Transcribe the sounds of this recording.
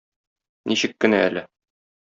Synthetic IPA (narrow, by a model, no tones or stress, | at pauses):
niɕɘkːɘ̆næælɘ